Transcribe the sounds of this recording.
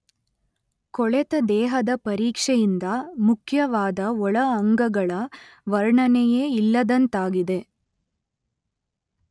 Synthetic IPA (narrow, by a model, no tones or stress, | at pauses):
kɔɭɛt̪ɐd̪ɛːɦɐd̪ɐpɐɾiːkʂejind̪ɐmukʰjɐʋaːd̪ɐɔɭɐːŋɡɐɡɐɭɐʋɐɾɳɐnɛjeːilːɐd̪ɐnt̪aːɡid̪e̞